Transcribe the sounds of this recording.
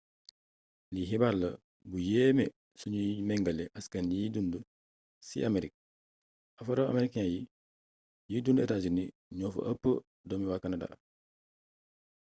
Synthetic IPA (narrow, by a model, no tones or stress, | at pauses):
liɦibaɾlɐ | bujɛːmɛ | suɲimɛŋɡɐlɛʔaskanjidundu | sḭʔameɾik̚ | afɐɾoa̰meɾikaji | jidunduɛtad͡ʒuni | ɲɔːfo̰ʔɐpːə | dɔmiwakanada̰ː